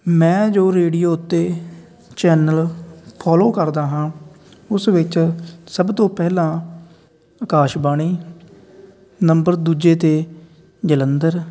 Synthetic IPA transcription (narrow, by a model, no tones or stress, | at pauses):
mɛ̃ːd͡ʒoːɾeːɽijoːʊt̪ːeː | t͡ʃɛːnəlpʰaːloːkəɾd̪aːɦãː | ʊsʋɪt͡ʃsəbt̪õːpɛːɦlãː | əkaːʃbaːɽ̃iː | nəmbəɾd̪uːd͡ʒeːt̪eː | d͡ʒələnd̪əɾ